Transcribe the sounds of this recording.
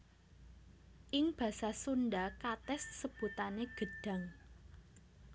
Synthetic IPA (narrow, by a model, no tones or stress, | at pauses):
ʔɪŋb̥ä̤sasunɖakat̪ɛsːəb̥ut̪aneɡ̥ə̤ɖ̥ä̤ŋ